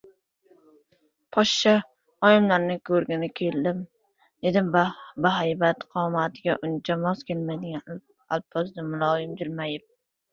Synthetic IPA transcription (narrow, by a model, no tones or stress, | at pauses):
pʰɒʃt͡ʃa | ɒjɪmlaɾnɪkʰɵɾɡʲɪnɪkʲʰe̞ld̪ɪm | d̪̥ed̪ɪmbaɦajbat̪qʰɒmat̪ʰɪɡʲaʔʊnt͡ʃʰamɒzkʲʰelmajd̪ɪɡʲan | a̰lˠpʰːɒzd̪ɪmʊlˠɒjɪmd͡ʒ̪ɪlmajɪp̚